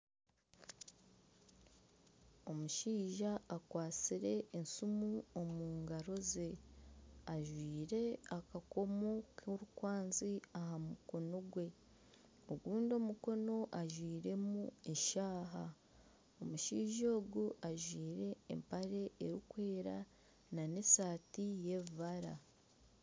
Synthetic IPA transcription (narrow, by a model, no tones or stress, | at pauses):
omuʃiːʒaːkwaːt͡siɾe̞ːnsumuomuːŋɡaɾo̞ze̞ | aʒwiːɾe̞akako̞mo̞kʰoɾukwaːnziahamuko̞no̞ɡwe̞ | oɡuːndo̞muko̞no̞ʔaʒwiːɾe̞mueʃaːɦa | omuʃiːʒo̞ːɡuaʒwiːɾe̞̰ːmpaɾe̞eɾikwe̞ːɾa | nanesaːtije̞ββaɾa